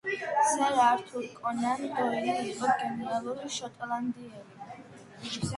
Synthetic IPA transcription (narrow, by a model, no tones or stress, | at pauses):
sɛɾaɾt̪ʰuɾkʼɔnandɔɛnaiɔɡɛnɛɾalˠuɾiʃɔt̪ʼland̪iɛɾi